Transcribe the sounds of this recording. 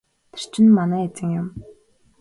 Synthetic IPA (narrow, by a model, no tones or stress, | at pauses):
t̪ʰe̥r̥t͡ɕɪ̆nmanæːet͡sɘ̆ŋjʊm